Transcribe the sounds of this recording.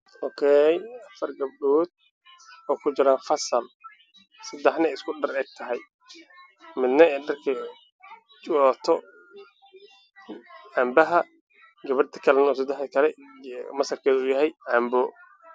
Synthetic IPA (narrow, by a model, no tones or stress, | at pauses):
ɔːkʰɛjɐfɐrɡɐb̚ɖuːd̪̚ | ɔːkʰʊt͡ʃɪɾaːnfɐsɐl | sɐd̪ɛħnɐɛɪskʰʊɖɐrɛːɡ̚t̪ʰɐɦɛj | mɪd̪nɐɛːjɖɐrkʰɐ | t͡ʃɔːt̪ʰɔ | aːmbɐɦɐ | ɡɐβɐrt̪ʰɐ̥kʰɐlɛnɔːs̬ɐd̪ɛħd̪ɐkʰɐlɛmɐsɐrkʰɛːðʊjɐɦɛjʔaːmbɔ